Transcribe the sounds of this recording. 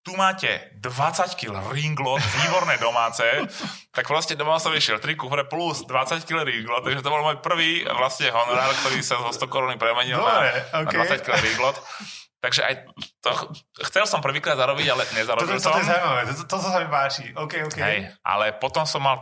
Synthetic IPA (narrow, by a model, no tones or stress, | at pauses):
t̪umaːcɛ̰ | d̪ʋat͡sackilɾiŋɡlɔt̪ʋiːbɔɾnɛːd̪ɔmaːt͡sɛːt̪ak̚pɾɔscɛd̪ɔmɔɔsɔmiʃɪɛlt̪ɾikufɾɛpluzd̪ʋat͡sackilɛɾiŋɡlɔt̪t̪ːaɡʒɛt̪̬ɔbɔlmɔːjpr̩ʋiːʋlasɲɛɦɔnɔɾaːɾkt̪ɔɾiːsazɔst̪ɔkɔɾuːnipɾɛmɛɲilnaɾɛoad̪ʋat͡sackilɛɾiŋɡlɔt̪t̪ːaɡʒɛʔa̰jt̪ɔxt͡sɛlsɔmpr̩ʋiːkɾad̪zaɾɔbiɟalɛɲɛzaɾɔblsɔɔjɛzawimaʋɛʋɛt̪t̪ɔsasamipaːt͡ʃiɔʊkɛɔkɦɛ̰jʔa̰lɛpɔt̪ɔmsɔmːal